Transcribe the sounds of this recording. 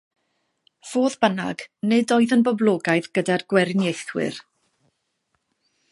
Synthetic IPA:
v̥oːðbəna̰ɡ̥nɨdoːɨðənbɔblˠɔːɡajðɡədarɡ̥wɛɾnjejθwɪ̰r

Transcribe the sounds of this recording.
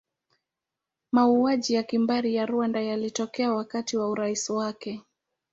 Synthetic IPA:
mauaʄijakimbaɾijaɾuandajalitɔkɛawakatiwauɾaisiwakɛ

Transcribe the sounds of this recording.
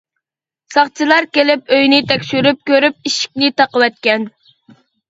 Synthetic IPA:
sɑχt͡ʃʰilˠɑɾkʲelɪpøjnɪt̪ʰɛkʲʃyɾyp̚kʲøɾyp̚iʃi̥kʲnɪt̪ɑqəwɛt̪̚kʲɛn

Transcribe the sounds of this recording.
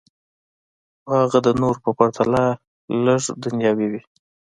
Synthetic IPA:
aɣad̪ənoɾpəpaɾt̪ʰala | ləʐd̪anjɑwiwi

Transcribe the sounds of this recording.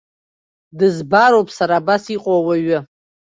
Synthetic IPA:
dɨzbaɾowpʼsaɾaːbasiqʼowaɥʊ

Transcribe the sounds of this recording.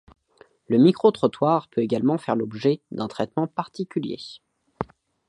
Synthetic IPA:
ləmikχot̪χɔt̪waʁpøeɡalmɑ̃fɛʁlɔbʒɛd̪ɛ̃t̪χɛt̪mɑ̃paʁt̪ikʲyljḛ

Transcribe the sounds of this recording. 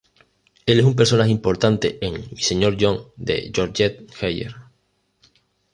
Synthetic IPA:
eles̬ump̬e̞ɾso̞naxeimpo̞ɾt̪ant̪e̞ʔeŋise̞ɲo̞ɾʝoŋd̪e̞̰ʝoɾʝet̪̚xejḛɾ

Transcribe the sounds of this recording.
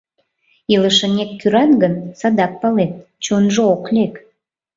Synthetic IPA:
iləʃənʲekkːyɾɑnɡənsɑd̪ɑk̚pɑlet̪̚t͡ɕonʒooklʲek

